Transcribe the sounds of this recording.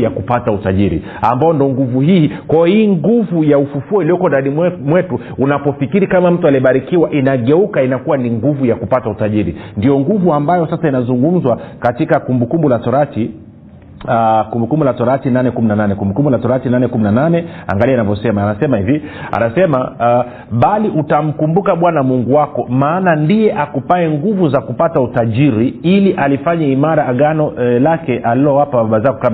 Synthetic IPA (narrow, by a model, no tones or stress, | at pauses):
jakupatautaʄiɾḭ | ambajɔndɔŋɡuvuhiːkwajɔhiːŋɡuvujaufufuɔiliɔkɔndaɗimwɛtu | unapɔfikiɾikamam̩tualiɔɓaɾikiwaʔinaɠɛukainakuwaniŋɡuvujakupatautaʄiɾindijɔŋɡuvuambajɔsasainazuŋɡum̩zwakatikakumbukumbulatɔɾati | kumbukumbulatɔɾatinanɛkuminananɛkumbukumbulatɔɾatinanɛkuminananɛa̰ŋɡaliɛanavjɔsɛmaːnasɛmahivia̰nasɛma | ɓaliʔutam̩kumbukaɓwanamuŋɡuwakɔmaːnandijɛʔakupaɛŋɡuvuzakupatautaʄiɾiiliʔalifaɲaimaɾaːɡanɔlakɛʔalilɔwapaɓaɓazakɔkam